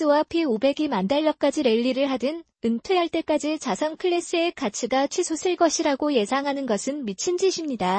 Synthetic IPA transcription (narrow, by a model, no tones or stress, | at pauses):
ɯwapʰiobe̞ɡimandaʎːʌk͈ad͡ʑiɾe̞ʎːiɾɯɭɦadɯn | ɯntʰwe̞jʌɭt͈e̞k͈ad͡ʑit͡ɕasʰʌnkʰɯɭːes͈ɯe̞kat͡ɕʰiɡat͡ɕʰwisʰos͈ʰɯɭk͈ʌɕʰiɾaɡoje̞sʰaŋɦanɯnɡʌsʰɯnmit͡ɕʰind͡ʑiɕʰimɲida